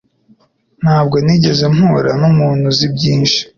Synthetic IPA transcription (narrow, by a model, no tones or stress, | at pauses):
n̥haːbɡo̞niɟe̞ze̞mhuːɾanumuːnuzibɟiːnʃi̥